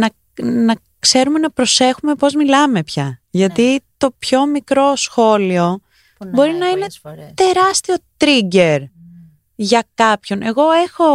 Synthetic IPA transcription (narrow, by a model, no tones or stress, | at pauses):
nɐ | nɐ | kse̞ɾume̞nɐpɾo̞se̞xume̞po̞zmilɐme̞pçɐʝɐt̪it̪o̞pço̞mikɾo̞sxo̞lio̞ | bo̞ɾinɐine̞t̪e̞ɾɐst̪io̞t̪ɾiɟe̞ɾ | ʝɐkɐpço̞nʔe̞ɣo̞exo̞